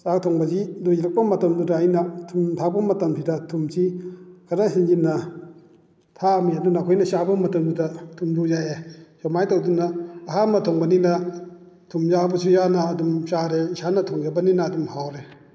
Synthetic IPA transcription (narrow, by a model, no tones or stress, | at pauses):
sak̚tʰɔŋbɐzidujiɾɐk̚pɐmɐtɐmdudaːjnɐtʰumtʰak̚pɐmɐtɐmpʰidɐtʰumsikʰaɾasind͡ʒinɐ | tʰamiɐdunakʰɔjnɐsabɐmɐtɐmdudɐtʰumduzajesamajtawdunɐːɦamɐtʰɔŋbɐninɐ | tʰumzabɐsʰujanaːdumʃaɾeisanɐtʰɔŋɡebɐninɐːdumhawɾe